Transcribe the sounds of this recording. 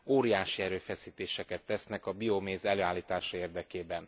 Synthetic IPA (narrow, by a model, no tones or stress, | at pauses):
oːɾijaːʃiɛɾøːfɛsiːt̪eːʃɛkɛt̪ːɛsnɛkɒbiomeːzɛløːaːlːiːt̪aːʃɒeːrd̪ɛkeːbɛn